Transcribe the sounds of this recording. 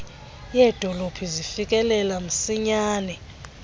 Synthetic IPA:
jɛːd̥ʱɔlopʰizifik̬ʼɛlɛlam̩siɲaːnɛ

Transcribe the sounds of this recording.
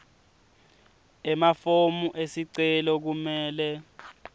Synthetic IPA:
ɛmafomuʔesiǀɛlɔk̬umɛːlɛ

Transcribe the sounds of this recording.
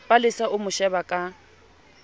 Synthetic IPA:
pʼalɪsaʊmʊʃɛbakʼa

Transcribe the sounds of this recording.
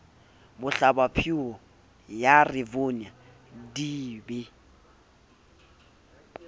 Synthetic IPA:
bʊɬabapʰiɔ | jarɪvona | diːbɪ

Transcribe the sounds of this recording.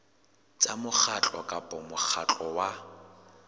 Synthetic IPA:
t͡sʼamʊk͡xʰat͡ɬʼɔkʼapʼɔmʊk͡xʰat͡ɬʼɔwa

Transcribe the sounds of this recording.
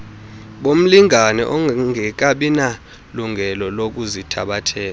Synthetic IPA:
ɓom̩liŋanɛ̰ʔɔŋʱɛk̬aɓina | luŋɛlɔlok̬uzitʰa̰ɓatʰɛːla

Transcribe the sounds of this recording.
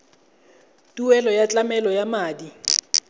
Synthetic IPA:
tʼuɛlɔjat͡ɬʼamɛlɔjamaːdi

